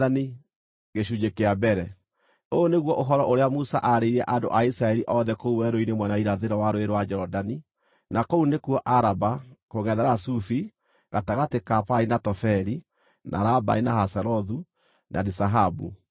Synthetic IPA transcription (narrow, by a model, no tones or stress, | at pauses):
ani | ɣeɕuɲekeabɛɾɛ | oːneɣwɔʔoɦɔɾɔʔoɾeamusa̰ʔaɾeiɾɛʔando̰ʔaisɾaɛɾiʔɔðɛkouwɛɾoinemwɛnaiɾaðeɾɔwaɾoweɾwad͡ʒɔɾdani | nakounekuɔʔaɾabakoɣɛðɛɾasufi | ɣataɣatekapaɾinatɔfɛɾi | nʔa̰ɾaba̰inahasɛɾɔðu | nʔa̰ɾisaɦabṵ